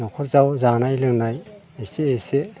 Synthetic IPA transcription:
nɔkʰɔɾzawzanajlɯŋnaj | eseːse

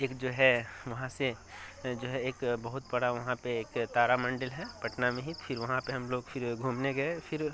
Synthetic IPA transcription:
eːkd͡ʒoːɦɛʋɐɦãsed͡ʒoːɦɛeːkbɐɦʊt̪̚bɐɽaʋɐɦãpeeːkt̪aːɾamɐ̃ɳɖəlɦɛpɐʈnamẽɦit̪fʰɪɾʋɐɦãpeɦɐmloːɡfʰɪɾɡʱuːmneɡɐepʰɪɾ

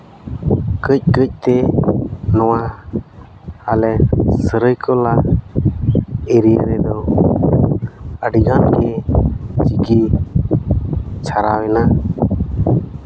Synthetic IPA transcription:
kəc̚ˀkəc̚ˀt̪ɛ | nɔwa | alɛsəɾəjkʰɔla | ɛɾijəɾɛd̪ɔ | əɖiɡanɡɛ | t͡ʃiki | t͡ʃʰaɾawɛna

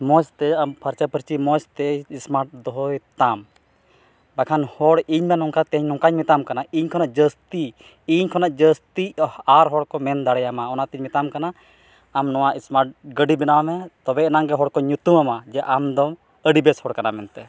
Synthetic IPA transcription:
mɔst̪ɛampʰəɾt͡ʃapəɾt͡ʃimɔst̪ɛismaɾʈ̚d̪ɔɦɔjt̪am | bakʰanhɔɽiɲmɛnɔŋkat̪ɛɲnɔŋkaɲmit̪amkanaiɲkʰɔnaʔd͡ʒəst̪i | iɲkʰɔnaʔd͡ʒəst̪iaɾɦɔɽkɔmɛnd̪aɽɛjamaɔnat̪iɲmit̪amkanaː | mnɔwaʔismaɾʈ̚ɡəɖibɛnawmɛt̪ɔbɛɛnaŋɡɛɦɔɽkɔɲut̪umamad͡ʒɛʔamd̪ɔm | əɖibɛshɔɽkanamɛnt̪ɛ

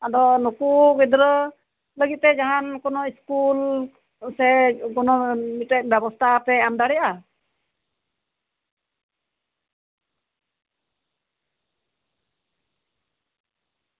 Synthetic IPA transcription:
ad̪ɔnukuɡɛd̪ɾə | ləɡit̪̚t̪ɛd͡ʒaɦankɔnɔiskul | sɛkɔnɔmiɛt̪̚bɛbɔst̪ʰapɛamd̪aɽɛjaʔa

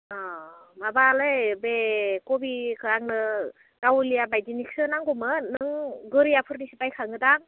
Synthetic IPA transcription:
ɔ | mabalɯjbekɔbikʰɯaŋnɯ | ɡ̥awlijabajd͡ʒiniksɯnaŋɡumɯnɯŋɡɯɾijapʰɯɾnisipajkʰaŋɯdaŋ

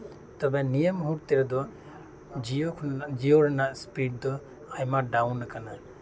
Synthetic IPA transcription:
t̪ɔbɛnijəmɦuɾt̪ɛɾad̪ɔ | d͡ʒiokʰd͡ʒijɔɾɛnaʔspiʈ̚d̪ɔ | ajmaɖawnːakana

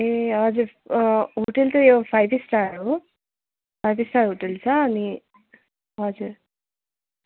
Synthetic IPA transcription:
eʌd͡zuɾɦoʈelt̪ojopʰajbisʈaɾu | pʰajbisʈaːɾɦoʈelt͡sʰaːni | ʌd͡zuɾ

